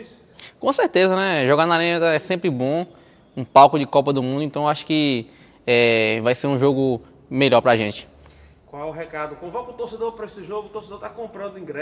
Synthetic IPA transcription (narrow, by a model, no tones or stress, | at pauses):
is | kõseɾt̪ezɐnɛʒɔɡanaɾĩɲɐt̪aɛsẽmpɾɪbõ | ũpawkʊd͡ʒɪkɔpɐd̪ʊmũd̪ʊẽnt̪ɐ̃w̃aʃʊ̥kɪ | ɛvajseɾũʒoɡʊ | meʎɔɾpɾaʒẽt͡ʃɪ̥ | kwawɛʊɦɛkad̪ʊkõvakõt̪oɾsed̪oɾpɾɐesɪʒoɡʊːt̪oɾsed̪oɾt̪akõmpɾɐ̃nd̪ʊĩɡɾɛ